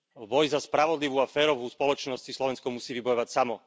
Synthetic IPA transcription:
bɔjzaspɾaʋɔd̪liʋuːafɛːɾɔʋuːspɔlɔt͡ʃnɔst͡ɕislɔʋɛnskɔmusiːʋibɔjɔʋacsamɔ

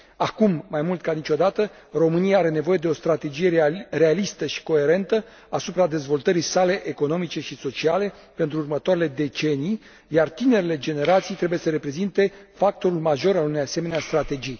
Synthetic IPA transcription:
akumːajmult̪kanit͡ʃo̞d̪at̪ə | ro̞mɨnijaaɾe̞ne̞vo̞je̞d̪eo̞st̪ɾat̪e̞d͡ʒije̞ɾe̞alist̪əʃi̥ko̞e̞ɾe̞nt̪ə | asupɾad̪e̞zvo̞lt̪əɾijsale̞ʔeko̞no̞mit͡ʃe̞ʃiso̞t͡ʃiale̞ | pe̞nt̪ɾuːrmət̪oaɾele̞d̪e̞t͡ʃe̞nij | jart̪ine̞ɾele̞d͡ʒe̞ne̞ɾat̪sijt̪ɾebujesəɾe̞pɾe̞zint̪e̞fak̚t̪o̞ɾulmaʒo̞ɾalunejase̞me̞neast̪ɾat̪e̞d͡ʒij

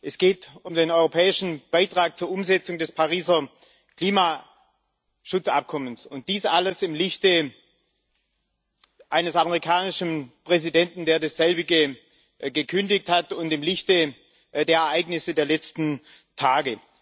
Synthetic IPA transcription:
ʔɛsɡ̥eːtʊmdeːnɔʏʁopʰɛːɪʃn̩b̥aɪtʁ̥aːk̚t͡suːɐʔʊmzɛt͡sʊŋdɛspʰaʁiːzɐ | kl̥iːmaː | ʃʊt͡sʔa̰p̚kʰɔmənsʊnt̚d̥iːsʔaləsɪmlɪçtə | ʔaɪnəsaməʁ̞ikʰaːnɪʃn̩pʁ̥ɛzidɛntn̩deːɐdasz̥ɛlbɪɡə | ɡəkʰʏndɪçthatʊntɪmlɪçtə | deːɐɛɐʔaɪɡnɪsədeːɐlɛt͡stn̩ | tʰaːɡə

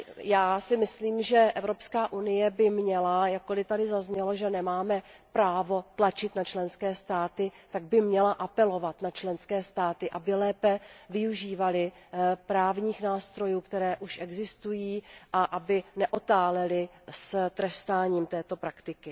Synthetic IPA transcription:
jaːsɪmɪsliːmʒɛʔɛvɾo̞pskaːʔunɪjɛbɪmɲɛlajak̚ːolɪt̪adɪzazɲɛlo̞ʒɛnɛmaːmɛpɾaːvo̞t̪lat͡ʃɪt̪nat͡ʃlɛnskɛːst̪aːt̪ɪt̪aɡ̚bɪmɲɛlaʔapɛlo̞vat̪nat͡ʃlɛnskɛːst̪aːt̪ɪʔabɪlɛːpɛvɪuʒiːvalɪ | pɾaːvɲiːxnaːst̪ɾo̞juːkt̪ɛɾɛːʔuʃʔɛɡzɪst̪ujiːʔaʔabɪnɛʔot̪aːlɛlɪst̪ɾɛst̪aːɲiːmt̪ɛːt̪o̞pɾakt̪ɪkɪ

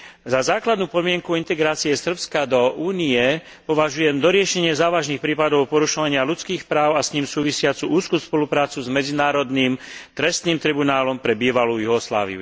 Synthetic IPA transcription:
zazaːklad̪nuːpɔd̪mɪɛŋkuint̪ɛɡɾaːt͡siɛsr̩pskad̪ɔʔuːniɛ | pɔʋaʒujɛmd̪ɔɾɪɛʃɛɲɪɛzaːʋaʒniːxpɾiːpad̪ɔʊpɔɾuʃɔʋaɲɪalut͡skiːxpɾaːʊasɲiːmsuːʋisɪat͡suʔuːskuspɔlupɾaːt͡suzmɛd͡zinaːɾɔd̪niːmt̪ɾɛst̪niːmt̪ɾibunaːlɔmpɾɛbiːʋalujuɦɔsla̰ːʋḭṵ

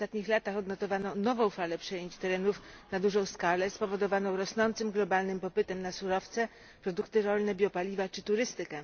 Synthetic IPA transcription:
st̪at̪ɲixlat̪axɔd̪nɔt̪ɔvanɔnɔvɔ̃w̃falɛpʂɛjeɲt͡ɕt̪ɛɾɛnufnad̪uʐɔ̃w̃skalɛspɔvɔd̪ɔvanɔ̃w̃ɾɔsnɔnt̪sɘmɡlɔbalnɘmpɔpɘt̪ɛmnasuɾɔft̪sɛ | pɾɔd̪ukt̪ɘɾɔlnɛbʲjɔpalʲivat͡ʂɘt̪uɾɘst̪ɘkɛ

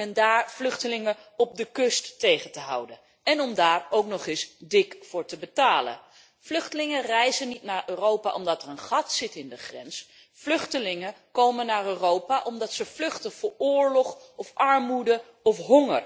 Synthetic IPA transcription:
ɛndaːɹv̥lɵχtəlɪŋəɔb̚dəkɵstːejχəntəɦɑ̰wdən | ɛnɔmdaːɹowknɔχɪsdɪkfʊːɹtəbətaːlə̰n | vlɵχtəlɪŋərɛjzənitnaːɹʔøːrowpa̰ʔɔmdɑtərənχɑtsɪtɪndəχrɛ̰ns | flɵχtəlɪŋəkowmənːaːɹøːrowpaʔɔmdɑtsəv̥lɵχtəv̥ʊːɹʊːɹlɔχɔfʔɑɹmudə | ɔfɦɔŋə̰r

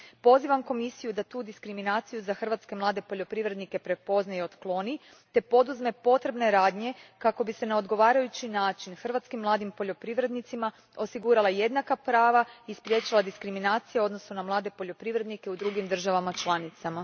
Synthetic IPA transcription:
po̞ziʋamko̞misijud̪at̪uːd̪iskɾiminaːt̪sijuzaxr̩ʋat̪ske̞mlˠaːd̪e̞po̞ʎo̞pɾiʋɾe̞d̪nike̞pɾepo̞znajeo̞d̪klˠo̞ni | t̪e̞po̞d̪uzme̞po̞t̪ɾe̞bne̞ɾaːd̪ɲe̞kako̞bise̞naod̪ɡo̞ʋaːɾajut͡ɕinaːt͡ʃinxr̩ʋat̪skimːlˠaːd̪impo̞ʎo̞pɾiʋɾe̞d̪nit̪sima | o̞siɡuːɾalˠaje̞d̪nakapɾaːʋaispɾje̞ːt͡ɕilˠad̪iskɾiminaːt̪sijao̞d̪no̞sunamlˠaːd̪e̞po̞ʎo̞pɾiʋɾe̞d̪nike̞ud̪ɾuɡimd̪r̩ʒaʋamat͡ʃlˠanit̪sama

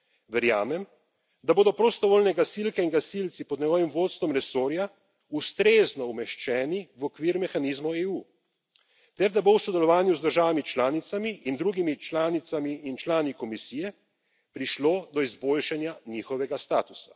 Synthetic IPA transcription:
ʋɛɾja̰ːmɛm | d̪aboːd̪ɔpɾɔst̪ɔʋoːlnɛɡasilkɛiŋɡasilt̪sipɔd̪nɛɡɔʋimʋoːt̪st̪ʋɔmɾɛsoːɾja | ust̪ɾeznɔumɛʃt͡ʃɛːniʋɔkʋiːɾmɛxanizmɔeu | t̪ɛɾd̪abowsɔd̪ɛlɔʋaːnjuzd̪əɾʒaːʋamit͡ʃlaːnit̪samiʔind̪ɾuɡimit͡ʃlaːnit̪samiːnt͡ʃlaːnikɔmisiːjɛ | pɾiʃloːd̪ɔizboːlʃanjaniːxɔʋɛɡast̪aːt̪usa

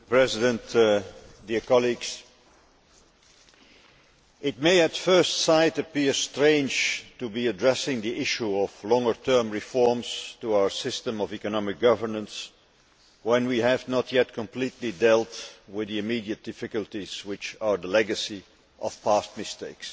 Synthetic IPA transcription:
pɹɛzɪdə̃nt | diɹkɑlˠiɡz̥ | ɪt̚meɪɨtfɜ˞stsaɪɾɨpɪɹstɹẽɪ̃nd͡ʒtubiɨdɹɛsɪ̃ŋðiʔɪʃuɔv̥lɔ̃ŋə˞tʰɜ˞mɹɪfɔɹmz̥tuaʊə˞sɪstə̃mʌvikɨnɑmɪk̚ɡ̥ʌvə˞nə̃ns | wɛ̃nwiɨvnətʰjɛt̚kʰə̃mpʰl̥itʰˡlidɛlˠtwɪðiɨmidiɨt̚d̥ɪfɨkəlˠtiz̥wɪt͡ʃə˞ðəlɛɡɨsi | ʔʌv̥pʰæst̚mɪsteɪks

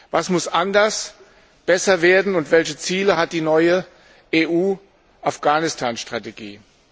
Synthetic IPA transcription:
vasmʊsʔandɐs | b̥ɛsɐveːɐdn̩ʊntv̥ɛlçət͡siːləhat̚d̥iːnɔʏə | ʔeːʔuː | ʔafɡ̥aːnɪstʰaːnʃtʁ̥ateɡḭː

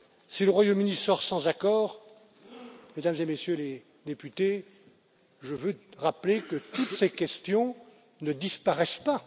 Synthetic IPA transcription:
siləʁwajomynisɔʁsɑ̃zakɔːʁ | med̪amzemesjøle | d̪epyt̪e | ʒəvøʁaplekət̪ut̪sekʲɛst̪jɔ̃ | nəd̪ispaʁɛspa

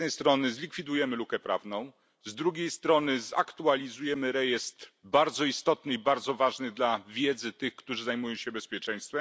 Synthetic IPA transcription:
nɛjst̪ɾɔnɘzlʲikfʲid̪ujɛmɘlukɛpɾʔa̰vnɔ̃w̃ | zd̪ɾuɡʲejst̪ɾɔnɘza̰kt̪ualʲizujɛmɘɾɛjɛst̪baɾd̪zɔist̪ɔt̪nɘibaɾd̪zɔvaʐnɘd̪lavʲjɛd̪zɘt̪ɘxkt̪uʐɘzajmujɔ̃w̃ɕɛbɛspʲjɛt͡ʂɛj̃st̪fɛm

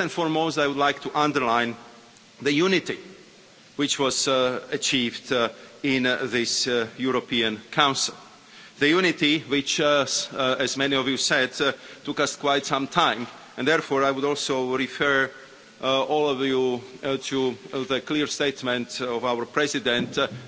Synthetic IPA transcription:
ɛ̃nfɔɹmoʊstajwʊdlaɪk̚tʰuʔãndəɹlãɪ̃n | ðɨjunɪti | wɪt͡ʃwɔzət͡ʃʰivdɪ̃nðɪsjuɹopʰiə̃nkʰãʊ̃nsɪlˠ | ðɨjunɪtiwɪt͡ʃ | ɨzmɛ̃niɔvjusɛdtʊkʌskʰwaɪtsʌ̃mtʰãɪ̃m | ɛ̃nðɛɹfɔːɹajwʊdɔlˠsoʊɹifɜ˞ | ɔlˠɔvjutʰuðəkʰliɹsteɪtmɛ̃ntɔvawə˞pʰɹ̥ɛzɪdɛ̃nt

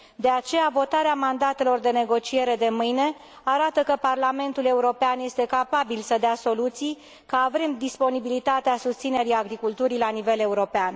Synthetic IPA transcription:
d̪e̞at͡ʃe̞javo̞t̪aɾeamand̪at̪e̞lo̞rd̪e̞ne̞ɡo̞t͡ʃie̞ɾe̞d̪e̞mɨjne̞ | aɾat̪əkəparlame̞nt̪ule̞uɾo̞peanje̞st̪e̞kapabilsəd̪easo̞lut̪sij | kəavɾe̞md̪ispo̞nibilit̪at̪easust̪sine̞ɾiaɡɾikult̪uɾilanive̞le̞uɾo̞pean

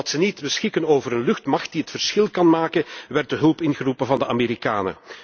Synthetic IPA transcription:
ɑtsənitbəsxɪkənoːvəɾənlɵxtmɑxtdiɦətfərsxɪlˠkɑnmaːkənʋɛrt̚dəɦɵlˠpɪnɣərupənvɑndəʔameːɾikaːnə̰

